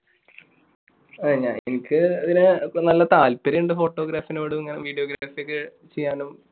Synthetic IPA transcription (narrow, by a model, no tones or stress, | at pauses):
ɐeɲːaːnenikʲːɨɐðinɨnɐlːɐt̪aːlpɐɾɐjuɳɖɨfo̞ːʈːoːɡɾaːfinuʋɐɽumiŋːɐneʋiːɖijoːɡiɾaːfijekːɨt͡ɕejːaːnum